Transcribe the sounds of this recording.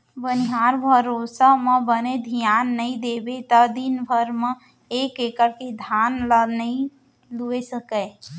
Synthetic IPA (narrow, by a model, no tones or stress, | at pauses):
bəniɦaɾbʱəɾosəmebəned̪ʱijanːəid̪ebet̪əd̪inbʱəɾme | ekekəɾked̪ʱanlənəi | luesəkə